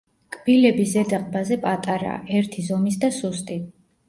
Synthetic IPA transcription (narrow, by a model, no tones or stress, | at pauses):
kʼb̥ilɛbizɛd̪aqʼbazɛpʼat̪ʼaɾa̰ːɛɾt̪ʰizɔmis̬d̪asust̪ʼi